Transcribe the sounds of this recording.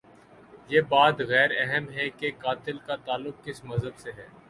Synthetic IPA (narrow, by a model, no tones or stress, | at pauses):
jeːbaːd̪ɣɛːɾɛɦɛmɦɛkekaːt̪ɪlkat̪aːlːʊq̚kɪsmɐzɦəbseɦɛː